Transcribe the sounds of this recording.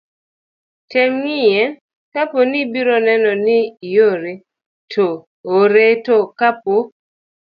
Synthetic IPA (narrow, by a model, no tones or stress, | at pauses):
tɛmŋɪjɛ | kaponibiɾɔnɛnɔnɪjoɾe | tʰo | oɾetokap̚o